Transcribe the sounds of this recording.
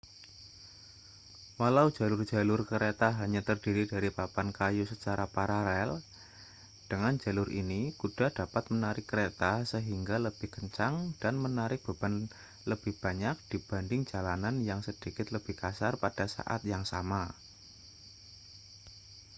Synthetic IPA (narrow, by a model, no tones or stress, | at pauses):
walau̥d͡ʒ̥a̤lʊrd͡ʒ̥a̤lʊrkəɾet̪aɦaɲat̪ərd̥iɾidaɾipapankajusət͡ʃaɾapaɾalɛl | d̥əŋand͡ʒa̤lʊrʔḭnikud̥a̤d̥apat̪̚mənaɾɪkːəɾet̪asəɦiŋɡaləb̥ɪhkəɲt͡ʃaŋd̥anmənaɾɪk̚b̥a̤b̥an | ləb̥ɪhb̥aɲak̚d̥ib̥a̤ndɪŋd͡ʒalananjaŋsəd̥ikɪt̪ləb̥ɪhkasarpad̥asa̰ʔa̰t̪jaŋsama